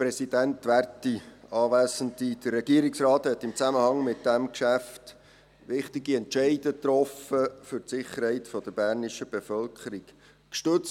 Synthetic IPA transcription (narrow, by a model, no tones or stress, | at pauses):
pɾɛsid̥æntʋærtiɑːʋæːzəndid̪̥ərːɛɡiəɾɪksɾɑːthɛt̪ːɪmt͡sæməhɑŋmɪt̚d̥æmkʃæft | ʋɪχtiɡiɛntʃɛɪdətrɔfəfʏrtsɪχəɾhɛɪtfɔd̥̪əɾb̥æːɾnɪʃəb̥efœlkʰəɾɪk | kʃtɵt͡s